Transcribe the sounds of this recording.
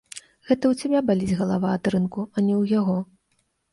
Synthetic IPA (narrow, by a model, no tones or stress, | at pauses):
ɣɛt̪ɐwt͡sʲabʲabalʲid͡zʲɣɐlˠavaːd̪ɾɨnkuɐnʲɛwjaɣɔ